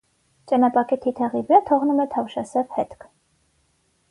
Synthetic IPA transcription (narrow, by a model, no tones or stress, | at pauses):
t͡ʃɑnɑpɑkɛt̪ʰit̪ʰɛʁivɛt̪ʰɔʁnumɛt̪ʰɑvʃɑsɛvhɛt̪kʰ